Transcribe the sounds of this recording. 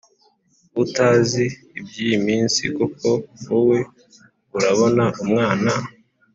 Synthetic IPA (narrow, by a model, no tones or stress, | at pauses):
utaːziː | b̚ɟiːjimiːnsḭkoko̞uwe̞ | uɾaβo̞naʔumŋaːna